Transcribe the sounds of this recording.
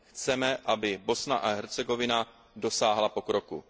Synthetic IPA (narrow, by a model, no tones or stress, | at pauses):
xt͡sɛmɛʔabɪbo̞snaʔaɦɛɾt͡sɛɡo̞vɪna | do̞saːɦlapo̞kɾokṵ